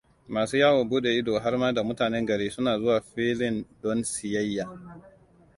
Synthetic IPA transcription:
maː˨suː˦jaː˦wo˨buː˦ɗe˨ʔɪ˦doː˨ɦa˦ɾmaː˦da˨mʊ˦taː˨nɛ˦ŋɡɐ˨ɽeː˦sʊ˦naː˨zʊ˦waː˨ɸiː˦lɪ˦ndɔ˦nsɪ˨jɐ˦jːaː˨

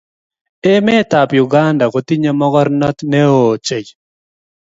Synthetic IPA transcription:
e˦mɛ˦t̪a˨pju˨ɡa˦nda˨ko˨t̪i˦ɲa˨mɔ˦ɡɔ˦ɾnɔ˦t̪nɛ˦oː˨t͡ʃe˨j

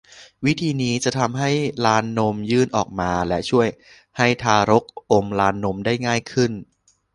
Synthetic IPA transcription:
wi˦˥t̪ʰiː˧niː˦˥t͡ɕa˨˩t̪ʰa˧mɦa˥˩jlaː˦˥nːo˧˥mjɯː˥˩nʔɔː˨˩k̚maː˧lɛ˦˥ʔt͡ɕʰu˥˩əj | ha˥˩jt̪ʰaː˧ɾo˦˥k̚ʔo˧mlaː˦˥nːo˦˥mdaː˥˩jŋaː˥˩jkʰɯ˥˩n

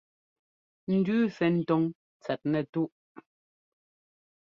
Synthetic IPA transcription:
n̩˨dʉː˦fɛ˨n̩˨tɔ˦ŋ | t͡sɛ˨t̚nɛ˨tu˦ʔ

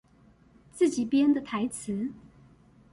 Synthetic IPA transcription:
t͡sɹ̩˥˩t͡ɕi˨˩pjɛ˥nd̪ə˨t̪ʰa˧˥ɪt͡s̩ʰ˧˦

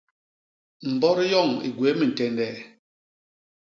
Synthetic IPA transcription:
m̩˨bɔ˦ɾi˦jɔ˦˨ŋḭ˨ɡwe˨˦mi˨n̩˨tɛ˨ndɛ˨

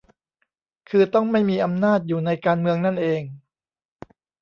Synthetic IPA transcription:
kʰɯː˧t̪ɔ˥˩ŋma˥˩jmiː˧ʔa˧mnaː˥˩t̪̚juː˨˩na˧jkaː˧nmɯ˧əŋna˥˩nʔeː˧ŋ

